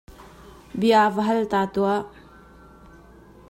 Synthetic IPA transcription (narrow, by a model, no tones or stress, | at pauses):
biaːvɐɦɐlt̪aːt̪ua